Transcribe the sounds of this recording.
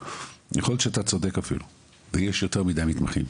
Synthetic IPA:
jeχojot̪ʃeat̪at͡sod̪ekafḭlu | vejeʃjote̞ʁmidajmit̪maχin

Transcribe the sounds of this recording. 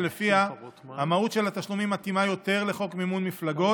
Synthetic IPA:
lefiahamahut̪ʃe̞lat̪aʃlumimat̪imajo̞t̪e̞ʁle̞χo̞kmimunmiflaɡo̞

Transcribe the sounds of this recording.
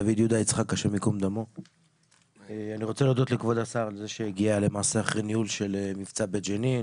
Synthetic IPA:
avid̪jud̪ait͡sχakaʃeʁmikomd̪amo | eaniʁo̞t͡selod̪ot̪lekvo̞d̪asaʁalzeʃeeɡiale̞maːseaχʁeniulʃe̞lemift͡sabet̪d͡ʒenin

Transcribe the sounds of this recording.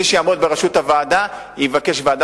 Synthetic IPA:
iʃejamod̪̚beʁaʃuthavaːda | jivake̞ʃvaːda

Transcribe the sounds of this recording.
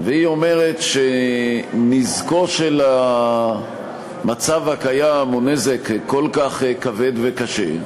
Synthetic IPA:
veio̞me̞ʁe̞t̪ʃe | nizko̞ʃela | mat͡savhakajamonezekkːolkaχkave̞d̪vekaʃe̞̰

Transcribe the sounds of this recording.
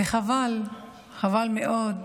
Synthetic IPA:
eχaval | χavalmeʔod̪

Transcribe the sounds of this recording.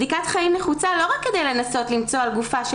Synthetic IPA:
d̪ikat̪χaimneχut͡salo̞ʁakːe̞d̪e̞jle̞naso̞tlimt͡so̞alɡufaʃ

